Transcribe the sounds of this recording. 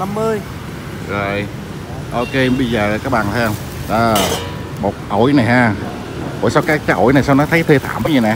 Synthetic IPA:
na˧mːɨ˧əj | zo˨˩j | ʔo˧ke˧ɓə˧jzəː˨˩˨kaː˦˥k̚ɓaː˨˩nt̪ʰɛ˧wŋ͡m | ʔəː˨˩ | mo˨˩t̚ʔo˧˩jna˨˩jɦaː˧˩ | ʔo̰˨˧˩jsa˧wkaː˨˦˥k̚t͡ɕaː˨˦˥ʔo̰˧˩jna˨˩jsaː˧wnɔ˨˦t̪ʰə˨˦jt̪ʰe˧t̪ʰa̰ː˧˩˨mɓə˨˦ɲə˨˧˩na˨˩

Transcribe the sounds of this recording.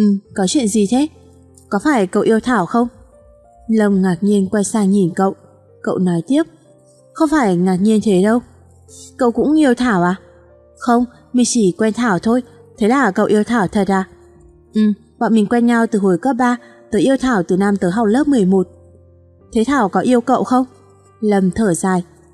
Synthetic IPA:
ʔɨ˨˩kɔ˨˦t͡ɕwḭ˧˨ənzi˨˩t̪ʰe˨˦ | kɔ˨˦faː˧˩jkə̰˧˨wʔi˧əwt̪ʰaː˧˩wxə˧wŋ͡m | lə˧˩wŋ͡mŋaː˨˩k̚ɲi˧ənkwɛ˧jsaː˧ŋi˨˩nkə̰˧˨w | kə̰˧˨wnɔ˨˦jt̪i˦˥əp̚ | xə˧wŋ͡mfaː˧˩jŋaː˨˩t̚ɲi˧ənt̪ʰe˨˦ɗə˧w | kə̰˧˨wkʊ̰˧˥ŋ͡mʔi˧əwt̪ʰaː˧˩wʔaː˨˩ | xə˧wŋ͡m | mï˨˩ŋt͡ɕi˧˩kwɛ˧nt̪ʰaː˧˩wt̪ʰo˧jt̪ʰe˨˦laː˨˩kə̰˧˨wʔi˧əwt̪ʰaː˧˩wt̪ʰə˨˩t̚zaː˨˩ | ʔɨ˨˩ | ɓa̰ː˧˨mï˨˩ŋ̟kwɛ˧nɲa˧wt̪ɨ˨˩ho˨˩jkəː˦˥p̚ɓaː˧t̪əː˨˦jʔi˧əwt̪ʰaː˧˩wt̪ɨ˨˩naː˧mt̪əː˨˦jɦa˨˩wk͡p̚ləː˦˥p̚mɨ˨˩əjmo˨˩t̚ | t̪ʰe˨˦t̪ʰaː˧˩wkɔ˨˦ʔi˧əwkə̰˧˨wxə˧wŋ͡m | lə˨˩mt̪ʰəː˧˩zaː˨˩j

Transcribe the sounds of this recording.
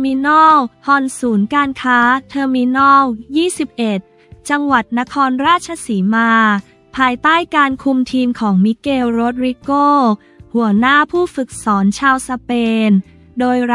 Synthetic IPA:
mi˧nɔː˥˩whɔ˧nsuː˩˦nkaː˧nkʰaː˦˥t̪ʰɤː˧mi˧nɔː˥˩wjiː˥˩si˨˩p̚ʔe˨˩t̪̚ | t͡ɕa˧ŋwa˨˩t̪̚na˦˥kʰɔː˧nɾaː˥˩t̪̚t͡ɕʰa˧siː˩˦maː˧ | pʰaː˧jt̪aː˥˩jkaː˧nkʰu˧mt̪ʰiː˧mkʰɔː˩˦ŋmi˦˥keː˧wɾo˦˥t̪̚ɾi˦˥koː˥˩ | hu˩˦ɐnaː˥˩pʰuː˥˩fɯ˨˩k̚sɔː˩˦nt͡ɕʰaː˧wsa˧peː˧n | doː˧jɾ

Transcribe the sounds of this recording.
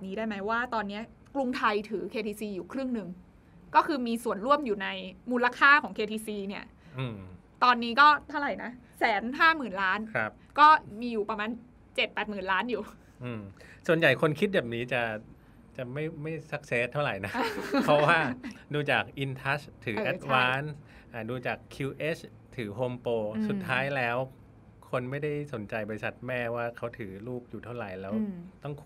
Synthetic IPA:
ɛ˨˩p̚niː˦˥daː˥˩jma˦˥jwaː˥˩t̪ɔː˧nːi˦˥ɐ | klu˧ŋt̪ʰa˧jt̪ʰɯː˩˦kʰeː˧t̪ʰiː˧siː˧juː˨˩kʰɾɯ˥˩ŋnɯ˨˩ŋ | kɔː˥˩kʰɯː˧miː˧su˨˩ənɾu˥˩əmjuː˨˩na˧jmuː˧la˧kʰaː˥˩kʰɔː˩˦ŋkʰeː˧t̪ʰiː˧siː˧ni˥˩ɐ | ʔɯː˧ | t̪ɔː˧nːiː˦˥kɔː˥˩t̪ʰa˥˩ɾa˨˩jna˦˥ | sɛː˩˦nɦaː˥˩mɯː˨˩nlaː˦˥nkʰɾa˦˥p̚kɔː˥˩miː˧juː˨˩pɾa˧maː˧n | t͡ɕe˨˩t̪̚pɛː˨˩t̪̚mɯː˨˩nlaː˦˥njuː˨˩ | ʔɯː˧msu˨˩ənja˨˩jkʰo˧nkʰi˦˥t̪̚bɛː˨˩p̚niː˦˥t͡ɕa˨˩ | t͡ɕa˨˩ma˥˩jma˥˩jsa˦˥k̚seː˦˥t̪ʰːa˥˩wɾa˨˩jna˦˥pʰɔ˦˥waː˥˩duː˧t͡ɕaː˨˩k̚ʔi˧nt̪ʰa˦˥st̪ʰɯː˩˦ʔɛ˦t̪̚waː˧˦˥n | ʔa˧˩duː˧t͡ɕaː˨˩kʰːuː˧ʔeː˦˥t͡ɕʰ | t̪ʰɯː˩˦ɦoː˧mpoː˧su˨˩tt̪ʰːaː˦˥jlɛː˦˥w | kʰo˧nma˥˩jda˥˩jso˩˦nt͡ɕa˧jbɔː˧ɾi˧sa˨˩t̪̚mɛː˥˩waː˥˩kʰa˦˥wt̪ʰɯː˩˦luː˥˩p̚juː˨˩t̪ʰa˥˩wɾa˨˩jlɛː˦˥wt̪ɔ˥˩ŋkʰ

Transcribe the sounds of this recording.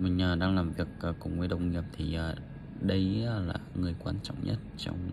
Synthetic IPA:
mï˨˩ŋ̟ʔəː˨˩ɗaː˧ŋlaː˨˩mvi˨˩ək̚ʔːkʊ̰˨˧˩ŋ͡mvə˨˦jɗə˨˩wŋ͡mŋi˨˩əp̚t̪ʰi˨˩ʔəː˧˩ | ɗə˧jlaː˨˩ŋɨ˨˩əjkwaː˧nt͡ɕɔ̰˧˨wŋ͡mɲə̰˦˥t̚t͡ɕɔ̰˧wŋ͡m

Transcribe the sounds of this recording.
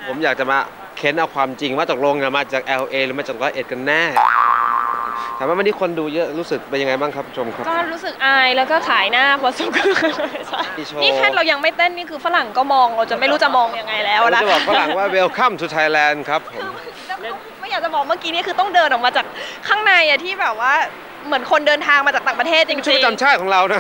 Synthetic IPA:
pʰo˩˦mjaː˨˩k̚t͡ɕa˨˩maː˧ | kʰe˦˥nʔa˧wkʰwaː˧mt͡ɕi˧ŋmaː˥˧˩t͡ɕaː˨˩lo˧ŋni˨˩maː˧˩t͡ɕaː˨˩k̚ʔɛː˧wʔeː˧ɾɯː˩˦maː˧˩t͡ɕaː˨˩lɔː˧˦jʔe˨˩t̪̚ka˧nːɛː˥˩˧ | tʰaː˨˦maː˥˩m˧ni˦˥˩kʰo˧nduː˧jɤ˦˥ɾuː˦˥sɯ˨˩k̚pe˧nja˧ŋa˧jbaː˥˩ŋkʰa˦pʰːu˦˥t͡ɕʰo˧mkʰa˦˥kɔː˥˩ɾuː˦˥sɯ˨˩k̚ʔaː˧jlɛː˦˥wkɔː˥˩t͡ɕʰaː˩˦jnaː˥˩pʰɔː˧˩suː˨˩kʰɯ˧˥˩t͡ɕʰa˥˩i˧˩t͡ɕʰoːniː˥˩kʰɛ˥nɾa˧wja˧ŋma˥˩jt̪e˥˩niː˥˩kʰɯː˧fa˧la˨˩ŋkɔː˥˩mɔː˧ŋɾa˧wt͡ɕa˨˩ma˥˩jɾuː˦˥t͡ɕa˨˩ʔmɔː˧ŋja˧ŋːa˧jlɛː˦˥wʔla˦˥˨bɔː˨˩k̚fa˧la˨˩waː˥˩we˧wkʰa˥˩mt̪ʰuː˧t̪ʰa˧jlɛː˧nkʰɾa˦˥pʰːoː˨˦˧ma˥˩˧lɛː˦˥˩ma˥˩jaː˨˩k̚t͡ɕa˨˩bɔː˨˩k̚maː˥˩kiː˦niː˥˩kʰɯː˧t̪ɔ˥˩ŋdɤː˧nʔɔː˨˩k̚maː˧t͡ɕaː˨˩k̚ʰːaː˥˩ŋna˧jʔa˨˩t̪ʰiː˥˩bɛː˨˩p̚waː˥˩ | mɯ˩˦ənkʰo˧ndɤː˧nt̪ʰaː˧ŋma˧t͡ɕaː˨˩t̪aː˨˩p̚ɾa˧t̪ʰeː˥˩t̪̚t͡ɕi˧˦t͡ɕʰuː˥i˥˩˧t͡ɕa˧mt͡ɕʰaː˥˩kʰɔː˨˩˦ŋɾa˧wna˦˥

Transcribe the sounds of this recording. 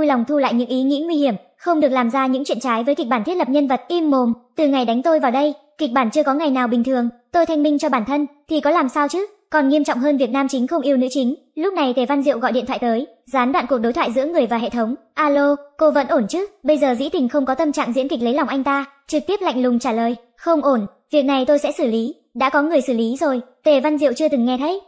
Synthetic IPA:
u˧jla˨˩wŋ͡mt̪ʰu˧la̰ː˧˨jɲɨ̰˧˥ŋʔi˨˦ŋḭ˧˥ŋwi˧hi˧˩əm | xə˧wŋ͡mɗɨ˨˩ək̚laː˨˩mzaː˧ɲɨ̰˧˥ŋt͡ɕwḭ˧˨ənt͡ɕaː˨˦jvəː˨˦jki˨˩k̚ɓaː˧˩t̪ʰt̚lə˨˩p̚ɲə˧nvə˨˩t̚ʔi˧mːo˨˩mt̪ɨ˨˩ŋa˨˩jɗa˨˦ŋ̟t̪o˧jvaː˨˩wɗə˧j | ki˨˩k̟̚ɓaː˧˩nt͡ɕɨ˧əkɔ˨˦ŋa˨˩jnaː˨˩wɓï˨˩ŋ̟t̪ʰɨ˨˩əŋt̪o˧jt̪ʰa˧jŋ̟mi˧ŋt͡ɕɔ˧ɓaː˧˩nt̪ʰə˧nt̪ʰi˨˩kɔ˨˦laː˨˩msaː˧wt͡ɕɨ˦˥ | kɔ˨˩nŋi˧əmt͡ɕɔ̰˧˨ŋ͡mɦəː˧nvi˨˩ət̚naː˧mt͡ɕï˨˦ŋ̟xə˧wŋ͡mʔi˧əwnɨ̰˧˥t͡ɕi˨˦ŋ̟ | lʊ˦˥k͡p̚na˨˩jt̪ʰe˧˩va˧nzḭ˧˨əwɣɔ̰˧˨jɗḭ˧˨nt̪ʰa̰ː˧˨˩t̪əː˨˦j | zaː˨˦nɗwa̰ː˧˨ku˨˩ək̚ɗjt̪ʰwaː˧˨zɨ̰˧˥əŋɨ˨˩əjvaː˨˩ɦḛ˧˨t̪ʰə˨˦wŋ͡m | ʔaː˧lo˧ko˧və̰˧˥nʔo˧˩nt͡ɕɨ˦˥k̚ɓə˧jzəː˨˩zḭ˧˥t̪ï˨˩ŋ̟xə˧wŋ͡mkɔ˨˦t̪ə˧mt͡ɕa̰ː˧˨ŋzḭ˧˥nki˨˩k̚lə˨˦jla˨˩wŋ͡mʔa˧jŋ̟t̪aː˧ | t͡ɕɨ˨˩k̚t̪i˦˥əp̚la̰˧˨jŋ̟lʊ˨˩ŋ͡mt͡ɕaː˧˩ləː˨˩j | xə˧wŋ͡mʔo˧˩n | vi˨˩ək̚na˨˩jt̪o˧jsɛ̰˧˥sɨ˧˩li˨˦ | ɗa̰ː˧˥kɔ˨˦ŋɨ˨˩əjsɨː˧˩li˨˦zo˨˩jt̪e˨˧˩va˧nzḭ˧ə˨wt͡ɕɨ˧ət̪ɨ˨˩ŋːɛ˧t̪ʰə˨˦˥j

